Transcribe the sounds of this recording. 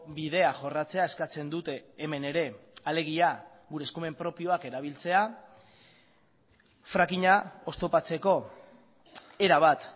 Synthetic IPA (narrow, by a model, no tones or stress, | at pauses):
biðe̞aʝo̞rat͡se̞ae̞skat͡se̞nd̪ut̪e̞ːme̞ne̞ɾe̞ale̞ɣ̞ia | ɣuɾe̞skume̞mpɾo̞pio̞ake̞ɾaβ̞ilt͡se̞a | fɾakiɲao̞st̪o̞pat͡se̞ko̞ | e̞ɾaβ̞at̪